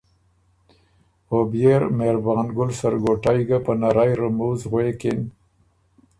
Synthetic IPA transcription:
objeɾmeɾbɑːnɡʊlsaɾɡoʈajɡapənaɾajɾamuzɣwekɪn

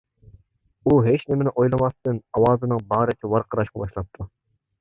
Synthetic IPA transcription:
uɦet͡ʃnɪmɪnɪʔojlˠɨmɑst̪ɨnɑwɑːzɨnɨŋbɑːɾɨk̪ʲʰiwɑɾqʰəɾɑʃqɑbɑʃlˠɑp̚t̪ʰu

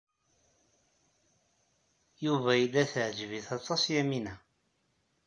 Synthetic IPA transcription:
juvæjilːæθəʕd͡ʒviθɑt̪ˤːɑsjæminæ

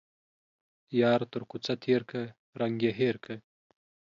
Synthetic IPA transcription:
jɑːɾt̪əɾkut͡sat̪ʰeːɾkʰɐ | ɾɐŋɡjeɦeːɾkʰə

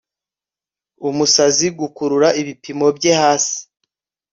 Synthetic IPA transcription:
umusaziɡukuɾuɾaiβipimo̞bɟe̞haːsi̥

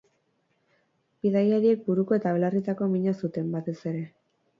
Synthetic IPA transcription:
biðajaɾie̞k̚buɾuko̞e̞t̪aβelarit̪ako̞miɲasut̪e̞mbat̪e̞se̞ɾe̞

